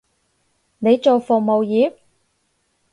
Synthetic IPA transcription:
ne˨˧jt͡so˨wfʊ˨k̚mo˨wjiː˨˥p̚

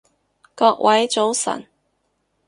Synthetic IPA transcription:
kɔ˧k̚wʔɐ˨˥jt͡ʃo˨˥wsɐ̰˨˩n

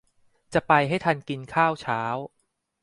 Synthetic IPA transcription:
t͡ɕa˨˩pa˧jɦa˥˩jt̪ʰa˧nki˧nkʰaː˥˩wt͡ɕʰaː˦˥w

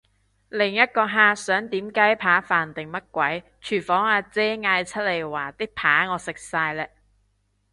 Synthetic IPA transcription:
lɪ˨˩ŋjɐ˥t̚kɔː˧ɦaː˧sœː˨˥ŋt̪iː˨˥mkaː˨˥jpʰaː˨˥faː˨˩nt̪ɪ˨˩ŋmɐ˥t̚kʷwɐ˨˥j | t͡ʃʰyː˨˩fɔː˨˥ŋaː˧t͡sɛː˥ŋaː˧jt͡sʰɐ˥t̚le˨˩jwaː˨˩t̪ɪ˥k̚pʰaː˨˥ŋɔː˨˧sɪ˨˩k̚saː˧jlɛː˧

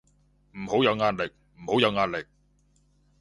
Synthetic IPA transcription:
m̩˨˩ho˨˥wjɐ˨˧wŋaː˧nlɪ˨k̚m̩˨˩ho˨˥wjɐ˨˧wŋaː˧t̚lɪ˨k̚

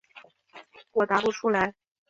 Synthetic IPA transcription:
wɔ˨˩t̪a˧˥pu˥˩ʈ͡ʂʰu˥la˧˥ɪ

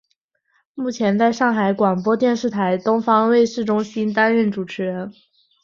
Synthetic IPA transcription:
mu˥˩t͡ɕʰjɛ˧˥nt͡sa˥˧ɪʂɑ˥˩ŋxa˧˥ɪkwa˨˩ŋpwɔ˥t̪jɛ˥˧nʂɻ̩˥˩t̪ʰa˧˥ɪt̪ʊ˥ŋfɑ˥ŋwe˥˧ɪʂɻ̩˥˩ʈ͡ʂʊ˥ŋɕi˥nt̪a˥nɻə˥˩nʈ͡ʂu˨˩ʈ͡ʂʰɻ̩˧˥ɻə˧˥n

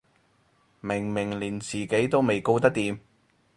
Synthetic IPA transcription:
mɪ˨˩ŋmɪ˨˩ŋliː˨˩nt͡siː˨˩ke˨˥jt̪o˥wme˨jko˥˧wt̪̬ɐ˥k̚t̪iː˨˧m

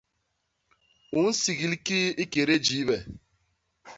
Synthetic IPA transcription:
u˨˦n̩˦si˨ɣi˨lki˦i˦ke˨ɾe˦d͡ʒi˨˦βɛ˨

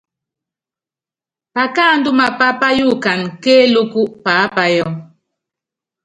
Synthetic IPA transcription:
pa˨ka˦˨n̩˦du˦ma˨pa˦pa˦ju˦˨ka˨nke˦lu˦ku˦ʔpa˨˦pa˦jɔ˦˨

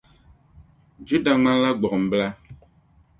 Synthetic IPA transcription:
d͡ʒu˦da˨ŋ͡mã˦la˦ɡ͡bɔ˨m̩˨bla˦

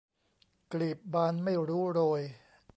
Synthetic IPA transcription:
kliː˨˩p̚baː˧nma˥˩jɾuː˦˥ɾoː˧j

